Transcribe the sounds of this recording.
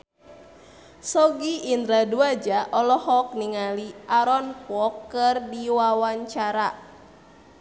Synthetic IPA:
sɔɡiːnd̪ɾaduad͡ʒaʔɔlɔhɔk̚niŋaliʔaɾɔnpɔkːɨrdiwawaɲt͡ʃaɾa

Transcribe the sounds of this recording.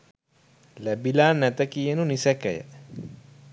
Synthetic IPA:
læbilaːnːæt̪əkijənunisɛkɛjə̰

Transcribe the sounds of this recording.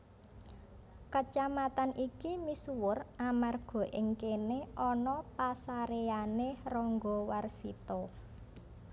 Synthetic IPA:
kət͡ʃamat̪anʔikimisuwʊramarɡ̥ɔ̤ʔɪŋkeneʔɔnɔpasaɾeanerɔŋɡɔwarsḭt̪ɔ

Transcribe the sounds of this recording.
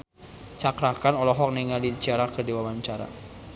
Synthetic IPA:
t͡ʃakɾakanɔlɔɦɔk̚neŋalit͡ʃiaɾakərdiwawaɲt͡ʃaɾa̰

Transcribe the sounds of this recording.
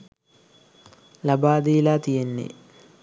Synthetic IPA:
lɐbaːd̪ilaːt̪ijenːḛ

